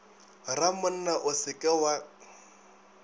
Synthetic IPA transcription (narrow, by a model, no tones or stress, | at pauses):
ramʊn̩naʔʊsɪkʼɛwa